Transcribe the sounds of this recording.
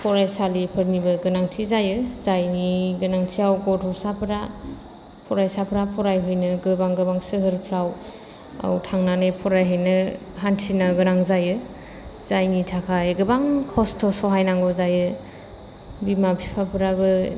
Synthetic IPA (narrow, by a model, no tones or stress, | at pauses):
pʰɔɾajsalipʰɯɾnibɯɡɯnaŋtʰizajɯzajniɡɯnaŋtʰiawɡɔtʰɔsapʰɾa | pʰɔɾajsapʰɾapʰɔɾajɦɔjnɯɡɯbaŋɡɯbaŋsɯɦɯɾpʰɾaw | a̰wtʰaŋnanɯjpʰɔɾajɦɯjnɯɦantʰinɯɡɯnaŋzajɯ | zajnitʰakʰajɡɯbaŋkʰɔstʰɔsɔɦajnaŋɡɔzajɯ | bimapʰi̥pʰapʰɯɾabɯ